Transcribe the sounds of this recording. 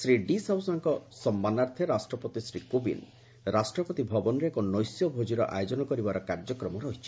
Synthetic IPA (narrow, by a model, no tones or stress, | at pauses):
sɾiɖisawsaŋkɔsɔmːanaɾt̪ʰeɾasʈɾɔpɔt̪isɾikubḭn | ɾasʈɾɔpɔt̪ibʱɔbɔnɾeekɔnɔjsjɔbʱod͡ʒiɾɔʔajod͡ʒɔnɔkɔɾibaɾɔkaɾd͡ʒɔkɾɔmɔɾɔɦit͡ʃʰi̥